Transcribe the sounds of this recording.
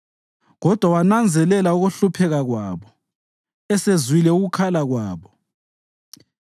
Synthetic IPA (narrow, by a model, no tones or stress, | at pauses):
ɣɔd̥ʱwawanand͡zʱɛlɛlauɣuɬupʰɛɣaɣwaːβɔ | ɛsezwilɛuɣukʰalaɣwaːβɔ